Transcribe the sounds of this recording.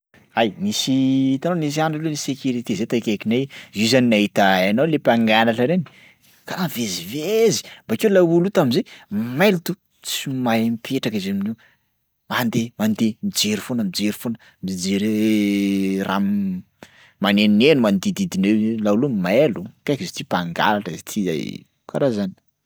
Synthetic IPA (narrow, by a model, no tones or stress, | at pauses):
ajmisiit̪ananis̬iaɳɖ͡ʐalenisekʲuɾit̪izet̪akekinezuzaninaɦit̪aanawlepʲaŋɡanaʈ͡ʂəɾeni̥ | kaavezivezi̥bakewlawulut̪amizemalut̪u | t͡simaempʰeʈ͡ʂakizemini | mand̪emand̪emid͡ʒeɾifonəmid͡ʒeɾifonə | mid͡ʒeɾe | ra̰ | maneninenumand̪id̪id̪inelaulumelukakizet̪ipaŋɡa̰laʈ͡ʂəzet̪ʰiza̰j | kaɾazani̥